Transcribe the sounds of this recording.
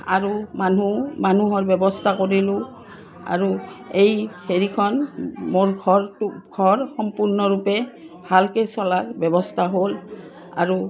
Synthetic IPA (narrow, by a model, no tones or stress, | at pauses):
a̰ɹumanumanuɦɔɹbjɛbɔstʰakoɹilʊ | a̰ɹuejheɹikʰɔnmoɹɡʱɔɡʱɔɹxɔmpuɹnɔɹupɛ | bʱalkesɔlaɹbjɔbɔstʰaɦol | a̰ɹu